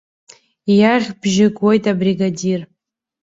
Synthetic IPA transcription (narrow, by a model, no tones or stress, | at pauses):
jaʁʲbʒɪɡwo̞jtʼabriɡadir